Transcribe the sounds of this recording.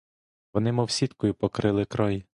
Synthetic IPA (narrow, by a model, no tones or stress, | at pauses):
ʋɔnɪmɔwsʲit̪kɔjʊpɔkɾɪlˠɪkɾɔj